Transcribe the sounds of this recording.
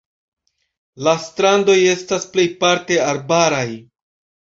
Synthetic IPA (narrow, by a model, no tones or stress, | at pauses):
lastɾando̞je̞stasple̞jpaɾte̞aɾbaɾaj